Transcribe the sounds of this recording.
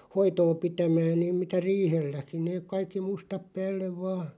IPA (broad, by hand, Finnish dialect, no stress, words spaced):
hoitoː pitæmæːn niːm mitæ riːhelːæki neːk̆ kɑikːi mustɑp pæːlːeʋ ʋɑː